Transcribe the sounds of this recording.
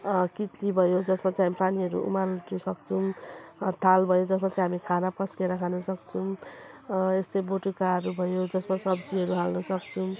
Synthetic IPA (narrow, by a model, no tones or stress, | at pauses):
kit̪libʱʌjod͡zʌsmat͡sãɦamipaniɦʌɾṵʔṵmalʈusʌkt͡sʰumt̪ʰalbʱʌjod͡zʌsmat͡saj̃ɦamikʰanapʌskeɾʌkʰanʌsʌkt͡sʰu | est̪eboʈukaɦʌɾubʱʌjod͡zʌsmasʌbd͡ziɦʌɾuɦalnʌsʌkt͡sʰu